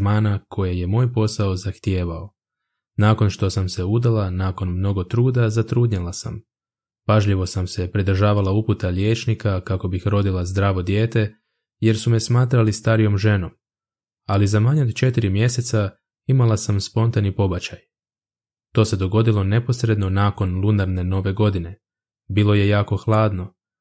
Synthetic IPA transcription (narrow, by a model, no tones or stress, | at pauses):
maːnakʰo̞jeje̞mo̞ːjpo̞sao̞zaxt̪je̞ːʋao̞ | naːko̞nʃt̪o̞samse̞ud̪alˠanaːkonmno̞ɡo̞t̪ɾuːd̪azat̪ɾuːd̪ɲelˠasa̰m | paʒʎiʋo̞samse̞pɾid̪r̩ʒaːʋalˠauput̪aʎje̞ːt͡ʃnikakako̞bixɾo̞d̪ilˠazd̪ɾaːʋo̞d̪je̞ːt̪e̞ | je̞ɾsumesmaːt̪ɾalist̪aːɾijo̞mʒe̞no̞m | alizamaɲod̪t͡ʃe̞t̪iɾimje̞se̞t̪sa | imalasamspo̞nt̪anipo̞bat͡ɕaj | t̪o̞ːse̞d̪o̞ɡo̞d̪ilˠo̞ne̞po̞sɾe̞d̪no̞naːko̞nlˠunaɾne̞no̞ʋe̞ɡo̞d̪ine̞ | bilˠo̞je̞jaːko̞xlˠaːd̪no̞